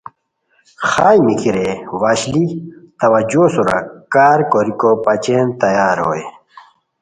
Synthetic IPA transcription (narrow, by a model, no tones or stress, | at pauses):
xaːjmikiɾewaːɕlit̪ɐwɐd͡ʑosuɾɐ̰kaːɾkoɾikopɐt͡ɕeːnt̪ɐjaːɾɦo̰ːj